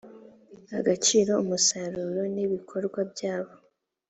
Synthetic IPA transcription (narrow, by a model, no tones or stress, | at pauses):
aɡat͡ʃiːɾo̞umusaɾuːɾo̞niβikʰo̞ɾɡwabjaːβo̞